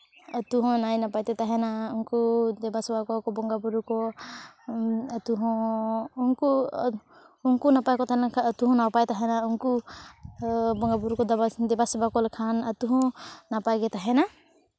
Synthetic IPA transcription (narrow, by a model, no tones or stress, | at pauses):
at̪uɦɔ̃najnapajt̪ɛt̪aɦɛnauŋkud̪ɛbasbakɔkɔbɔŋɡabuɾukɔ | at̪uɦɔ̃uŋku | uŋkunapajkɔt̪aɛnakʰaːt̪uɦɔ̃nawpajt̪aɦɛnauŋku | bɔŋɡabuɾukɔd̪abad̪ɛbasbakɔlkʰanat̪uɦɔ̃napajɡɛt̪aɦɛna